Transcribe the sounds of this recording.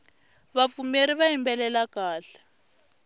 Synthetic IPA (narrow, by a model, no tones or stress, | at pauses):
βafumeɾiβaimbɛlɛlakaːɬḁ